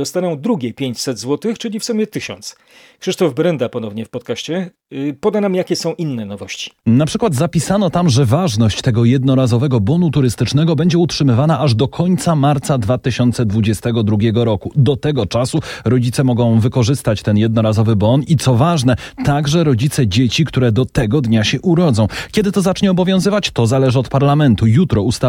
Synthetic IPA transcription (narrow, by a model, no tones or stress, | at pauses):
d̪ɔst̪anɔ̃w̃d̪ɾuɡʲɛpʲjeɲt͡ɕsɛd̪zwɔt̪ɘxt͡ʂɘlʲifsumʲjɛt̪ɘɕɔ̰nt̪s | kʂɘʂt̪ɔvbɾɛnd̪apɔnɔvɲɛfpɔt̪̚kaɕt͡ɕɛ | pɔd̪anamjakʲɛsɔ̃w̃ʔinːɛnɔvɔɕt͡ɕi̥napʂɘkwad̪zapʲisanɔt̪amʐɛvaʐnɔɕt͡ɕt̪ɛɡɔjɛd̪nɔɾazɔvɛɡɔbɔnut̪uɾɘst̪ɘt͡ʂnɛɡɔbɛɲd͡ʑɛutʂɘmɘvanaʔaʐd̪ɔkʰɔɲt̪samaɾt̪sad̪vat̪ɘɕɔnt̪sɛd̪vud͡ʑɛst̪ɛɡɔd̪ɾuɡʲjɛɡɔɾɔkud̪ɔt̪ɛɡɔt͡ʂasuɾɔd͡ʑit̪sɛmɔɡɔ̃w̃vɘkɔʐɘst̪at͡ɕt̪ɛnjɛd̪̚nɔɾazɔvɘbɔnit̪sɔvaʐnɛt̪aɡʐɛɾɔd͡ʑit̪sɛd͡ʑet͡ɕikt̪uɾɛd̪ɔt̪ɛɡɔd̪ɲaɕɛʔuɾɔd̪zɔ̃w̃kʲɛd̪ɘt̪ɔzat͡ʂɲɛɔbɔvʲjɔ̃w̃zɘvat͡ɕt̪ɔzalɛʐɘɔt̪paɾlamɛnt̪ujut̪ɾɔust̪a